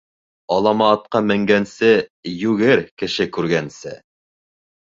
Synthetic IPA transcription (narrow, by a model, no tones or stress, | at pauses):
ɑlˠɑmɑːt̪̚qɑmɘ̆ŋɡænsɘjʉɡɘɾkɘ̆ʃɘkʉɾɡænsɘ